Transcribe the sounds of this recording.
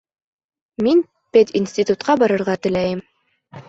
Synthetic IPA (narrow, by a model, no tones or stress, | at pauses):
min | pet̪ʲinsʲt̪ʲit̪ut̪̚qɑbɑɾɤ̆ɾʁɑt̪ɘ̆læjɘm